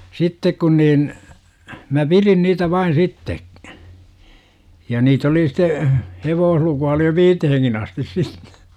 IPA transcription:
sitːek kun niːn mæ pirin niːtæ ʋɑin sitːe jɑ niːt oli site heʋoːhlukuɑ oli jo ʋiːteheŋkin ɑstis sitːe̥

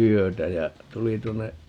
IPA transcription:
yøtæ jæ tuli tuonːe

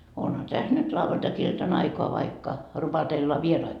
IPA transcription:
onhɑ tæs nyt lɑʋːɑntɑkiltɑn ɑikoɑ ʋɑikːɑ rupɑtelːɑ ʋierɑi

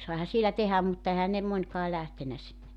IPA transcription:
sɑihɑ sielæ tehæm mutːɑ ehæn ne monʲkɑː læhtenæ sinːe

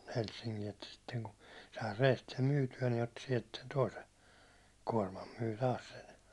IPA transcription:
helsːiŋkiː etːæ sitːeŋku sɑi reːst sem myːtyæ ni otːi siɛlt sen toisen̞ kuɒrmɑm myː tɑːs sen̞

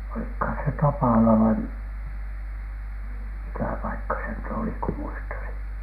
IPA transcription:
olikhɑˑn se tɑpɑˑlɑ ʋɑi m mikæ pɑikːɑ se nyt oli ku muistɑsin̥

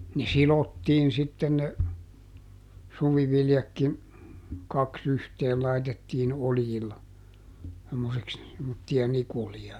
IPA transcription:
ne silotːiːn sitːen ne suʋiʋiljɑkːin kɑks yhteːl lɑitetːiːn oljilːɑ semːoseks semːotːijɑ nikulijɑ

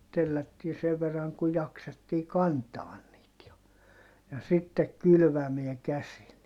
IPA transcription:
telːætːiː seʋ ʋerːɑŋ ku jɑksetːiː kɑntɑːn niːt jɑ jɑ sitːek kylʋæmeæ kæsil

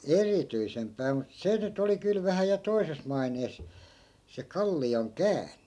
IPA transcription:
erityisempæː mut se nyt oli kyl ʋæhæ jɑ toises mɑineːs se kɑlːioŋ kæːnˑe

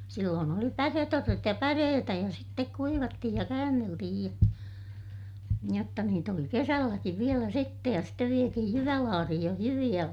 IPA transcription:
silːoːn oli pæretorːet jɑ pæreːtæ jɑ sitːek kuiʋɑtːihij jɑ kæːnːeltihij jɑ jotːɑ niːt oli kesælːækiʋ ʋielæ sitːej jɑ steʋ ʋietihij jyʋælɑːrihij joh jyʋij̆æ

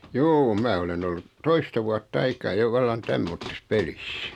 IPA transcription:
juː mæː olen olːut toistɑ ʋuɑtː ɑikɑː jo ʋɑlːɑn tæmːotːis pelis

